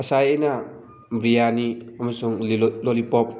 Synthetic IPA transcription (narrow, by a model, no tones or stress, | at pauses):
ɐsajena | bɾijaniamasuŋlɔlipɔp̚